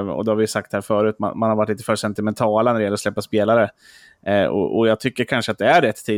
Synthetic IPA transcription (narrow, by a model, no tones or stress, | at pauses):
ɔ̰d̪ɛhaɾvɪjɵsak̚t̪hæːɾfœːɾʉ̟ːt̪ma̰nmanhaɾvaʈːliːt̪ə̥fœːʂɛnt̪ɪmɛnt̪ʰɑːlanæɾɛjɛlːɾɔslɛpːaspeːlaɾə | ɔ̰ʔɔ̰jɑːɡ̚t̪ʰʏkːəɾkʰanʂəat̪̚d̪ɛæɾːɛt̪ʰːiː